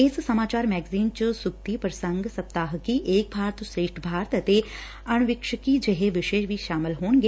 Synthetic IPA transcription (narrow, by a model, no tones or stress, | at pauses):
eːssɐmaːt͡ʃaːɾmɛːɡziːnt͡ʃəsʊkt̪ipɾəsə̃ŋɡsɐp̚t̪aːɦkiʔeːk̚bʱaːɾt̪seːʈʰbʱaːɾt̪ət̪e | ɐɽ̃ʋɪkʃəkid͡ʒeɦeʋɪʃeːʃʋiːʃaːmɪlɦoːɳ̃ɡeː